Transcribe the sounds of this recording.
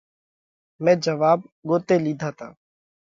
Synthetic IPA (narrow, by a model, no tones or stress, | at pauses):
mɛ̃ːd͡ʒəʋaːb̚ɡoːt̪eːliːd̪ʱaːt̪ʰa̰ː